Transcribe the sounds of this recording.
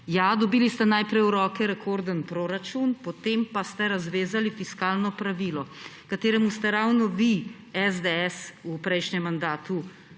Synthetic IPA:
jad̪ɔbiːlist̪ɛnajpɾɛjuɾɔːkɛɾɛkʰoɾd̪ənpɾoɾat͡ʃunpɔt̪empast̪ɛɾazʋeːzalifiskaːlnɔpɾaʋiːlɔ | kat̪eːɾɛmust̪ɛɾawnɔʋi | ɛzd̪eɛsupɾɛjʃɲɛmːand̪aːt̪u

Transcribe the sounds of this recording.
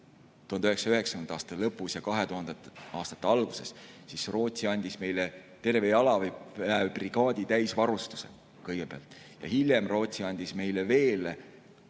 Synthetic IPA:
t̪uhɑnd̪̥yheksɑyheksɑ̥knd̪ɑːst̪ɑlɤpːˑusjɑkɑɦet̪uhɑnd̪̥ɑɑːst̪ɑ̥t̪ːeɑlɡ̥use̞ssisro̞ːt̪ʲsiɑnʲd̪̥isme̞jle | t̪e̞rve̞jɑlɑveævb̥riɡ̥ɑːd̪̥ʲit̪æjsvɑɾust̪u̥sḛ | kɤjɡ̥epeɑlt̪ːˑ | jɑ̰hilʲjemro̞ːt̪siɑnʲd̪̥isme̞jleve̞ːle

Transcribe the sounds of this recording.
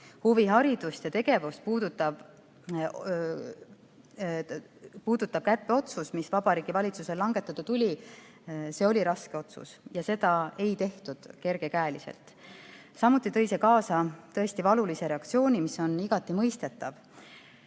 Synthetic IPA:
huviɦɑɾid̪̥ust̪jɑt̪e̞ɡ̥e̞vust̪̚puːd̪̥ut̪ːɑb | puːd̪̥ut̪ːˑɑb̥̚kæpːeo̞t̪susmisvɑb̥ɑɾiːɡ̥ivɑlʲit̪suse̞lːɑŋɡ̥e̞t̪ːˑɑt̪ːɑt̪ulʲi | se̞o̞lʲiɾɑske̞o̞t̪sṵsjɑse̞d̪̥ɑe̞jt̪e̞ht̪ud̪̥ke̞ɾɡ̥e̞kæːlisḛlt̪ˑ | sɑmut̪ːˑit̪ɤ̞jsekɑːsɑt̪ɤ̞e̞st̪ivɑlulise̞ɾe̞ɑk̚t̪sio̞ːnʲimisːo̞niɡ̥ɑt̪ːˑimɤjst̪e̞t̪ːˑɑv

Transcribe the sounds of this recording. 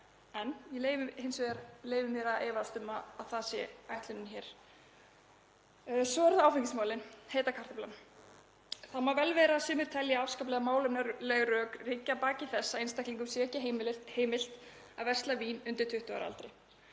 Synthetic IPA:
ɛnjɛlejvɪhɪnsvɛːaɾleːjvɪmɛɾaðʔeːvast̪ʏmaːðθasjɛ̰ajht̪lʏnɪnçɛːɾ̥ | sɔɛɾðaaːwfɪŋcɪsmawlɪnheːjt̪akʰaɾ̥t̪ɪplan | θamavɛlvɛːɾaːsʏːmɪɾ̥t̪ʰɛljaawskap̬lɛɣamaːwlʏmnlɛɣrœːkricːapaːcɪθɛsːaɪnst̪ahkliŋkʏmsjɛcaheːmɪl̥t̪ | avɛr̥st̪laviːnʏnt̪ɪɾ̥t̪ʰʏht̪ʏa̰ɾa̰lt̪ɾɪ

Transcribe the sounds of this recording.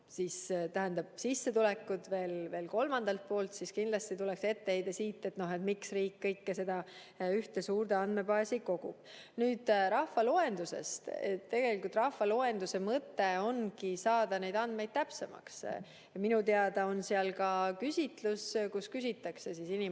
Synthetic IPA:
sist̪æɦænd̪ɑb̥̚sisːet̪ulɛkːˑud̪ve̞ːlve̞ːlko̞lmɑnd̪ɑlt̪̚po̞ːlt̪siskind̪lɑst̪it̪ulekse̞t̪ːe̞he̞jd̪̥ɑsiːt̪ˑːe̞t̪no̞ɦet̪miksriːkːɤjkːese̞d̪̥ɑ | yht̪esuːrd̪eɑnd̪me̞pɑːsiko̞ɡ̥ṵb̥ | nyːd̪̥ɾɑhvɑloe̞nd̪use̞̰st̪et̪ːe̞ɡ̥elikult̪ˑrɑhvɑloe̞nd̪usemɤt̪ːe̞o̞nkisɑːd̪̥ɑne̞jd̪ɑnd̪me̞jd̪̥̚t̪æpse̞mɑ̰ks | minut̪eɑd̪̥ɑo̞nseɑlkɑkysʲit̪luskuskysit̪ːˑɑkse̞sisini

